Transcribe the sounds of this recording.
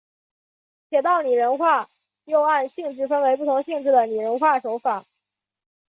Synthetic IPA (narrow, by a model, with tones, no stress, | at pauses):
t͡ɕʰjɛ˨˩t̪ɑ˥˩ʊni˨˩ɻə˧˥nxwa˥˩ | jo˥˧ʊa˥˧nɕi˥˧ŋʈ͡ʂɻ̩˥˩fə˥nwe˧˥ɪp̬u˥˩t̪ʰʊ˧˥ŋɕi˥˧ŋʈ͡ʂɻ̩˥˩d̪ə˩ni˨˩ɻə˧˥nxwa˥˩ʂo˧˥ʊfa˨˩˦